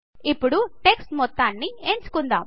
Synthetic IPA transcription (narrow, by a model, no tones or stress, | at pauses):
ipːuɽuʈe̞ksʈmɔt̪ːaːnːient͡ʃu̥kund̪a̰ːm